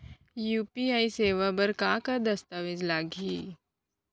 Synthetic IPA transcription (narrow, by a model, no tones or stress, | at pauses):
juːpiaːiseːʋabɐɾkakad̪ɐst̪aʋɪd͡ʒlaːɡʱiː